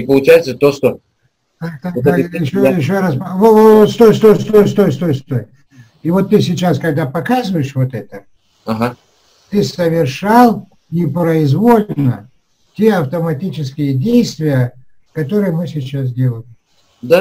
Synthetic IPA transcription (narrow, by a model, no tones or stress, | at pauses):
ɪpəlˠʊt͡ɕæjɪt̪sət̪oʂt̪o | at̪ad̪aɪɕːojɪɕːoɾaspvovot̪st̪ojst̪ojst̪ojst̪ojst̪o̞jst̪oj | ivo̞t̪ːɨsʲɪt͡ɕaskɐɡ̚d̪apɐkazɨvəjɪʂvo̞t̪ɛt̪ə | ɐɦa | t̪ɨsəvʲɪrʂalˠ | nʲɪpɾəɪzvo̞lʲnə | tʲe̞ɐft̪əmɐtʲit͡ɕɪskʲɪjədʲejst̪vʲɪjə | kɐt̪o̞ɾɨjəmɨsʲɪt͡ɕas̬dʲe̞lˠəlʲɪm | d̪a